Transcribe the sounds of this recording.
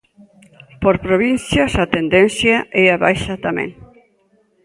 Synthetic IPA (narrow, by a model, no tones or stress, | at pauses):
poɾpɾoβinθjasat̪end̪en̟θjaʔeaβa̰jʃat̪amḛ̃ŋ